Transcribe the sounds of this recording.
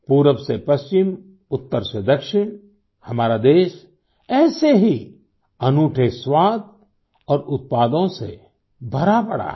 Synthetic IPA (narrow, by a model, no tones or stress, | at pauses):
puːɾəʋsepɐst͡ʃɪm | ʊt̪ːəɾsed̪ɐkʃɪɽ̃ | hɐmaːɾad̪eːʃ | ɛːseɦi | ɐnuːʈʰeswaːd̪̚ | ɔːɾʊt̪̚paːd̪õsḛ | bʱɐɾapɐɽa̰ː